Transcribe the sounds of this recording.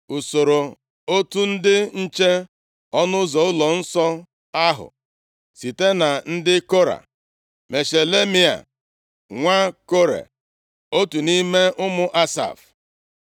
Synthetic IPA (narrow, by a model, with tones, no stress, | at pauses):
u˨so˨ɾo˨ | o˦tu˦n̩˦dɪ˦n̩˦t͡ʃe˦ | ɔ˦nʊ˦zɔ˨ʊ˦lɔ˨n̩˦sɔ˦ | a˦ɦʊ̰˨ | si˨te˦na˨n̩˦dɪ˦ko˦ɾa̰˨ | me˨ʃe˨le˦mi˦a̰˨ | ŋʷa˦ko˦ɾḛ˨ | o˦tu˨ni˦me˦ʔʊ˦mʊ˦ʔa˦sa̰˨f